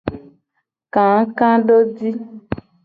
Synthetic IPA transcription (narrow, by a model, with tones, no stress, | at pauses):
kã˨ŋ˦kã˦ɖo˦di˦